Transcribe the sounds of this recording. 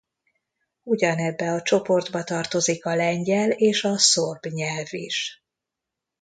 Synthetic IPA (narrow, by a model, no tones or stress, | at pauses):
uɟɒnɛbːɛɒt͡ʃo̞po̞rd̪bɒt̪ɒrt̪o̞zikɒlɛɲɟɛleːʃɒsorbɲɛlviʃ